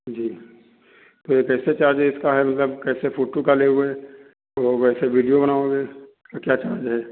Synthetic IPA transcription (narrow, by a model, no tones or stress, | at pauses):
d͡ʒiː | t̪ojekɛːset͡ʃaːɾd͡ʒɦɛɪskaɦɛmɐt̪ləbkɛːsepʰoːʈokaleɦue | ɔːʋɛːseʋiːɖijobɐnaːõɡeːskakjaːt͡ʃaːɾd͡ʒɦɛː